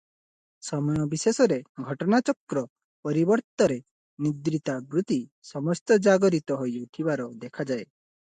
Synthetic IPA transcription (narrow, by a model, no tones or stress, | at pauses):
sɔmɔjɔbisesɔɾeɡʱɔʈɔnat͡ʃɔkɾɔ | pɔɾibɔɾt̪ɔɾe | nid̪ɾit̪abɾut̪isɔmɔst̪ɔd͡ʒaɡɔɾit̪ɔɦojut̪ʰibaɾɔd̪ekʰad͡ʒae